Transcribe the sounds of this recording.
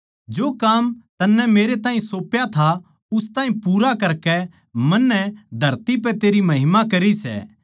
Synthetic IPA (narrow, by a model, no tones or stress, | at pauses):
d͡ʒoːkaːmt̪ɐnːɛmeːɾet̪ãːɦĩsoːpjat̪ʰa | ʊst̪ãːɦĩpuːɾakɐɾkɛ | mɐnːɛd̪ʱɐɾt̪ip̬ɛt̪eːɾimɐɦɪmakɐɾisɛ̰ː